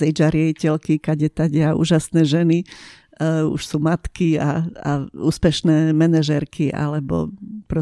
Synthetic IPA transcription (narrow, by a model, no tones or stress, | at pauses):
ɛd͡ʒaɾɪɛicɛlkikaɟɛt̪aɟɛaʔṵːʒasnɛːʒɛni | ṵʃsuːmat̪kiaa̰uːspɛʃnɛːmɛnɛʒɛɾkʰiʔa̰lɛbɔ̰pɾɔ